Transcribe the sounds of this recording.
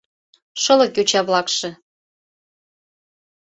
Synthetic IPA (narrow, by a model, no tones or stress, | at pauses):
ʃɤlɤ̆kʲut͡ɕɑβlɑkʃĕ